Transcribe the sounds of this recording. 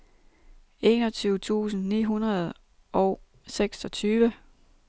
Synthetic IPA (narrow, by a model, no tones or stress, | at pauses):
e̝ːnɒ̽t͡sʰyːʊt͡sʰṵːsn̩nḭːɦunʁɐð̞ˠ | ʔɒʊ | seɡ̥sɒ̽t͡sʰyːʋə